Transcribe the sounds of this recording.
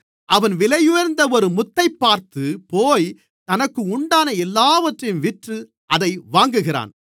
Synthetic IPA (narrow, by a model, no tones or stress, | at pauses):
ʔɐʋɐnʋɪlɐjʊjɐɾnd̪ɐɔɾɯmʊt̪ːɐɪpːaːɾt̪ɯpoːj | t̪ɐnɐkːɯʊɳɖaːnɐɛlːaːʋɐʈrɪmʋɪʈrɯ | ʔɐðɐɪʋaːŋɡɯɣɪɾa̰ːn